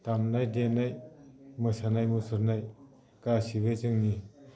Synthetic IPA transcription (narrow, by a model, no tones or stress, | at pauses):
tamnajdenajmɯsanajmusɯɾnaj | kasiβezɯŋni